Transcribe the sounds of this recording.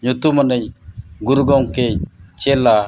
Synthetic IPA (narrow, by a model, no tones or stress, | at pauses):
ɲut̪umanəɲɡuɾɡɔŋkeɲt͡ʃɛla